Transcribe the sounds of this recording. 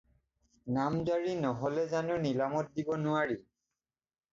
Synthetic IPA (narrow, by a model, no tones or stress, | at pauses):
namzaɹinɔɦɔlɛzanʊnilamɔt̚dibɔnʊaɹi